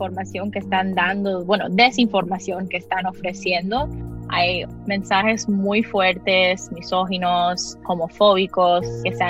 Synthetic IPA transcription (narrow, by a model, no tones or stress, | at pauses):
foɾmasjo̞ŋkeːst̪and̪and̪obweno̰d̪e̞siɱfo̞ɾmasjo̞ŋke̞ːst̪ano̞fɾe̞sje̞nd̪o̞ajmẽ̞nsaxe̞zmujfweɾt̪e̞smisoxinosomofo̞βikoskesa